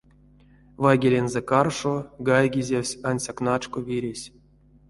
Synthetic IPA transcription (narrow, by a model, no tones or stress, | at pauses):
vaɡʲelʲenzekarʂoɡajɡʲizʲewsʲanʲsʲaknat͡ʂkovʲiɾʲesʲ